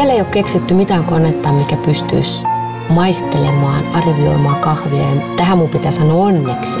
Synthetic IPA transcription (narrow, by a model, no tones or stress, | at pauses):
ælːeiokkeksit̪ːymit̪æːŋkonet̪ːɑːmmikæpyst̪y̰ːs | mɑist̪elemɑːnɑrʋio̰imɑːŋkɑhʋiɑ̰ent̪æhæmmumpit̪æsɑnoːonːeks